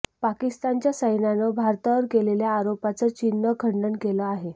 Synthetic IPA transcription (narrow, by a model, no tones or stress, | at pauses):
pakist̪ant͡ɕjasəjnanəbʱaɾt̪əʋəɾkeleljaːɾopat͡sət͡ɕinːəkʰəɳɖəɳkeləaɦe